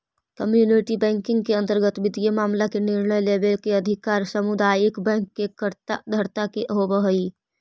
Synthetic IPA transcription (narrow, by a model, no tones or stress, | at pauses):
kəmjuːnɪʈibɛ̃ːŋkɪ̃ŋɡkeə̃nt̪əɾɡət̪ʋɪd̪ijemaːmlakenɪɾɳəjleːbelkeɐd̪ʱɪkaːɾsəmʊd̪aːjɪkbɛ̃ːŋkːekəɾt̪ad̪ʱəɾt̪akeʔɦobəɦəi